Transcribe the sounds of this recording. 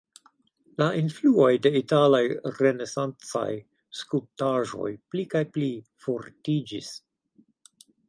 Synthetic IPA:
laʔinfluo̞jde̞italajɾe̞ne̞sant͡sa̰j | skultaʒo̞̰jplikajplifoɾtid͡ʒis

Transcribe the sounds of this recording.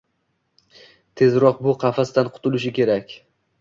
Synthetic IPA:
t̪ʰe̞zɾɒq̚bʊqʰɑfast̪anqʰʊ̥t̪ʰʊlɪʃ̬ɪkʲe̞ɾakʲ

